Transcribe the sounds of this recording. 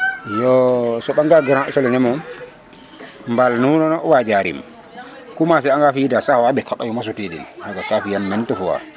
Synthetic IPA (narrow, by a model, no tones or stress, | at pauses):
jɔsɔɓaŋɡaɡɾasɔlɛnɛmɔ | mbalnunɔnɔwad͡ʒaɾḭm | kumas̬ɛaŋɡafijidasahwaɓɛkaɓajɔmas̬ɔtedḭnhaɡakafijamːɛntɔfɔwa̰